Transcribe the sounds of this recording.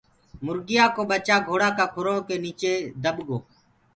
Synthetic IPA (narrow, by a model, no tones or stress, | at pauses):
mʊɾɡɪjaːkoːɓət͡ʃaːɡʱoːɽaːkaːkʰʊɾõːkeːniːt͡ʃeːd̪əbɡoː